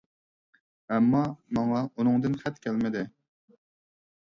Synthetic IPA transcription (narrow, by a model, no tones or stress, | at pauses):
ɛmːɑmɑŋɑunɨŋd̪ɨnχɛt̪kʲʰælmɪd̪ɪ